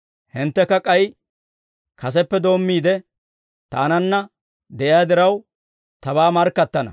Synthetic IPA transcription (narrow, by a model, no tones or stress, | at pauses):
hɪnt̪ːɛkɐkʼɐj | kʰɐs̬ɛpːɛd̪o̞ːmːiːd̪ɛ | t̪a̰ːnɐnːɐ | d̪ɛʔɪjaːd̪ɪɾɐw | t̪ɐβaːmɐɾkːɐt̪ːɐnɐ̰